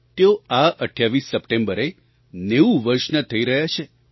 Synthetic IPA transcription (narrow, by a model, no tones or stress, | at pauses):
t̪eoaʔəʈʰjaʋisːəpʈẽmbəɾe | neũʋəɾʃnət̪ʰəiɾəɦjat͡ʃʰe